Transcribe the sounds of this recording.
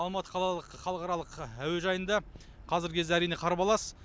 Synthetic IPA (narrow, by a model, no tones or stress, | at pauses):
ɑlˠmɑt̪ə̥qʰɑlˠɑlˠəqχɑlˠəqɑɾɑlˠəqæwe̞ʒɑjənd̪ɑ | qʰɑzɪɾkʲʰe̞zd̪eæɾijne̞qʰɑɾɑpɑlˠɑsə̥